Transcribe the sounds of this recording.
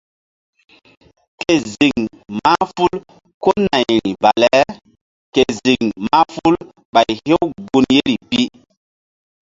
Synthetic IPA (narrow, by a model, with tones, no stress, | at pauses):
ke˨zi˨ŋ | ma˦fu˦l | ko˦na˨jɾi˨va˨lɛ˦ | ke˨zi˨ŋma˦fu˦l | ɓa˨jhe˦wɡu˦nje˦ɾi˨pi˦